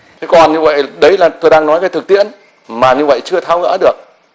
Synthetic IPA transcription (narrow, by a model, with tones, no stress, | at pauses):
t̪ʰe˨˦kɔ˨˩nɲɨ˧və̰˧˨jɗə˨˦jlaː˨˩t̪o˧jɗaː˧ŋnɔ˨˦jkaː˨˦jt̪ɨ˨˩k̚t̪ḭ˧˨ən | maː˨˩ɲɨ˧və̰˧˨jt͡ɕɨ˧ət̪ʰaː˧wɣə̰ː˧˥ɗɨ˨˩ək̚